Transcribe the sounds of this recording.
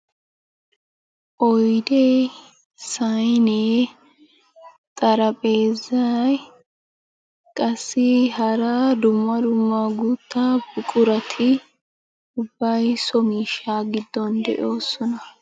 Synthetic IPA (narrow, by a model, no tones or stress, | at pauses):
ʔɔjd̪e | sɐjneː | t̪ʼɐɾɐpʼeːzːɐj | kʼɐsːɪɦɐɾad̪ʊmːɐd̪ʊmːɐɡut̪ːab̥ʊkʼʊɾɐt̪ʰɪ | ʊbːɐjsɔmiːʃaːɡɪd̪ːɔnd̪ɛ̰ʔo̞ːsɔnɐ